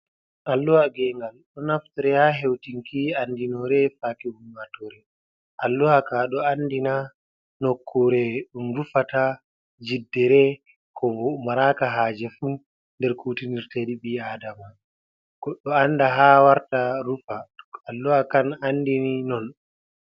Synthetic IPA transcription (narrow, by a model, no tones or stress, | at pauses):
ʔalːuwaɡɛŋɡalɗɔnaftiɾɛhaɦewtiŋkiandinɔɾɛfakɛumwatɔɾɛ | ʔalːuhakaɗɔanːdina | nɔkʰːɔɾɛɗumɾufata | d͡ʒidːɛɾɛ | kʰɔɔmaɾakaɦaːd͡ʒɛfu | ndɛɾkutiniɾtediɓiadama | ɡ̥ɔɗɔanːdaɦawaɾtaɾufaalːuwakanandininɔn